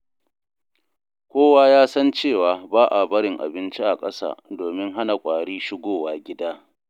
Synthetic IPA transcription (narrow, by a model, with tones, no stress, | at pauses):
kʷoː˦waː˦jaː˦sɐ˦nt͡ʃeː˦˨waː˨baː˦ʔa˨bɐ˦ɽɪ˨ŋʔa̰˨bɪ˦nt͡ʃi˦ʔa˨kʼɐ˦sa̰ː˨doː˨mɪ˦ŋɦa˦na˨kʷʼaː˨ɽiː˦ʃɪ˦ɡʷoː˦˨waː˨ɡʲɪ˦daː˦